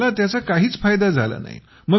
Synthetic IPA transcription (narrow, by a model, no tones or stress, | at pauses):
lat̪jat͡sakaɦiːt͡sfajd̪ad͡zʱalə̰na̰ɦḭ | mə